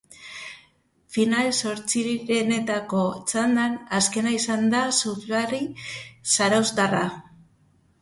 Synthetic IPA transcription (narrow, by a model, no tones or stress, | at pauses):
finalso̞ɾt͡siβiɾene̞t̪ako̞t͡sand̪anaske̞naisand̪asuθularisaɾawzd̪ara